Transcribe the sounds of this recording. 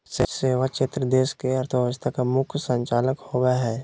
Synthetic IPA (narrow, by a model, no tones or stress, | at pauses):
seseːʋat͡ʃɪt̪ɾəd̪eːskeɐɾt̪ʰəbəəst̪ʰakamʊkʰsə̃ɲt͡ʃaːləkhowaɦɛː